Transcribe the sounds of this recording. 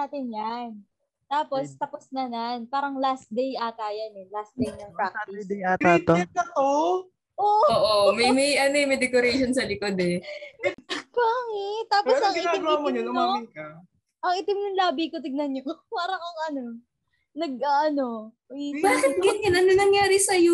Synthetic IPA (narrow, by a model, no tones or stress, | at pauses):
at̪ɪnjan | t̪aːpo̞st̪ɐposnɐnanpaːɾɐŋlast̪̚d̪ejʔɐk̪aːjɐnɛlast̪̚d̪ejnɐŋpak̪ːd̪at̪at̪okɐt̪o | ʔoːʔoːʔomɐjmɐjʔɐnojmɛjd̪ɛkoɾɛjʃonsɐlɪkod̪ɛ | paŋɛt̪aːposɐŋɪaɪɡamoɲɐʊnoɪkɐ | ʔɐŋʔɪt̪ɪmnʊŋlaːbikot̪̬ɪɡ̚nɐnɲopaːɾɐŋɐŋɐno | nɐɡ̚ʔaʔɐno̞ | baːkɪt̪̚ɡɪnɡɐnɐnɐnɐŋjaːɾɪsɐjo